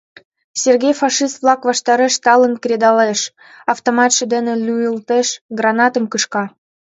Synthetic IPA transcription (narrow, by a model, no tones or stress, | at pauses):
sʲerɡʲejfɑʃist̪vlɑkβɑʃt̪ɑɾĕʃt̪ɑlə̆nkɾʲed̪ɑleʃ | ɑft̪omɑt̪ʃə̆d̪ɘ̆nĕlʲujəlt̪eʃɡrɑnɑt̪əmkɯʃkɑ